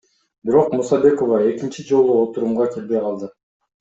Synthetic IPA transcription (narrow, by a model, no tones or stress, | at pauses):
biɾo̞qmusɑbe̞ko̞vɑe̞kʲint͡ʃid͡ʒo̞lˠuo̞t̪uɾumʁɑkʲʰelbe̞jqʰɑlˠd̪ɯ